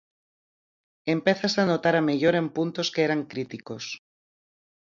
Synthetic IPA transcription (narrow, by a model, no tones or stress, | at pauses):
empeθasanot̪aɾameʎoɾẽ̞mpunt̪oskeeɾaŋkɾit̪ikos